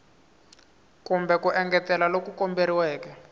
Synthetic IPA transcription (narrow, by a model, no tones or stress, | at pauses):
kumbɛkuʔɛŋɡɛtɛlalokukɔmbeɾiwɛːkɛ